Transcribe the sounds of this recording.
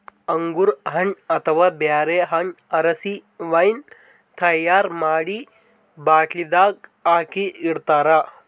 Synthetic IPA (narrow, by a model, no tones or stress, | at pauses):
əŋɡuɾɦɐɳɐt̪ʰəʋaːbjaːɾeɦaɳɐɾɐsiʋajn | t̪ʰɐjaːɾmaːɽiː | baːʈʰlid̪aːk̚aːkiiɽt̪aːɾa